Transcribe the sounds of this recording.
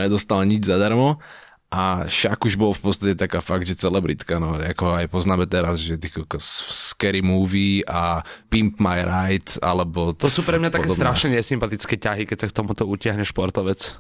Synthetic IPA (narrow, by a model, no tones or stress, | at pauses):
ɲɛd̪ɔst̪alɲid͡ʒzad̪aɾmɔ | ʔaʃakuʒbɔlfpɔt̪st̪acɛt̪akaːfaɡ̚d̪ʒɛt͡sɛlɛbɾḭt̪kanɔakɦajpɔznaːmɛt̪ɛɾazʒɛt̪ikkɔsfskɛɾimuːʋiːapimpmajɾajt̪a̰lɛbɔt̪ɔsuːpɾɛmɲat̪akːɛst̪ɾaʃnɛɲɛsimpat̪it͡skɛːcaɦikɛcsakt̪ɔmut̪ɔucɪaɦɲɛʃpɔɾt̪ɔʋɛt͡s